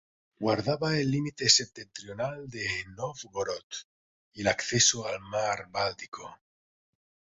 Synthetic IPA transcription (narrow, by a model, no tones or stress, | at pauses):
ɡwaɾðaβaelːimit̪esep̚t̪ent̪ɾjonald̪enofɣoɾot̪ | ilakθesoalmaɾbalt̪i̥ko